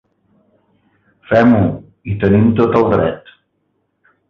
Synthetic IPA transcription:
fɛmu | it̪ənimt̪ot̪əlˠd̪ɾɛ̰t̪

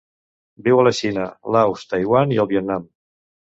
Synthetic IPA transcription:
biwaləʃinəlawst̪ajɣwaniəlˠβiɛt̪̚nam

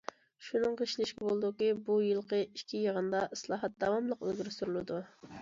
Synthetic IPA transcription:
ʃunɨŋqʰəʃlɪʃkʲibolˠɨd̪ukʲibujɨlˠqʰəiʃkʲʰijəʁənd̪ɑʔslˠɑːɦɑt̪̚d̪ɑwɑmlˠəqølɡʲiɾsuɾulˠɨd̪u

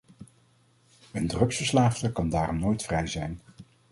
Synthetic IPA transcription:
əndrɵksfəɹslaːftəkɑndaːrɔmnoːjtfrɛjzɛjn

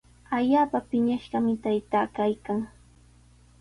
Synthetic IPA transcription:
aʎaːpapɪɲaʃɢɑmɪt̪ajt̪aːkajkaŋ

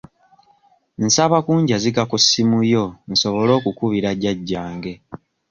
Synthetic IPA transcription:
n̩saβakuːɲɟaziɡakusːimujo̞n̩so̞βo̞lo̞ːkukuβiɾaɟaɟːaːŋɡe̞

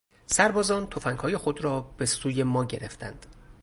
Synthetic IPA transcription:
sæɾbɒːzɒːnt̪ʰo̞fæŋɡhɒːje̞xo̞d̪ɾɒːb̥e̞suːje̞mɒːɟe̞ɾe̞̰ft̪ʰæ̰nd̪̥

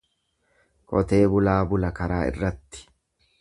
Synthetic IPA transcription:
kʼɔt̪e̞ːbʊlaːbʊlɐkɐɾaːɪ̰rːɐt̪ːɪ̥

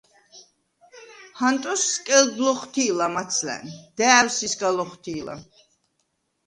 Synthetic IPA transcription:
hant̪ʼɔskʼɛlɡlɔχt̪ʰiːlamat̪sʰlæ̰nd̪̥ɛːwsisɡalɔχt̪ʰiːla̰

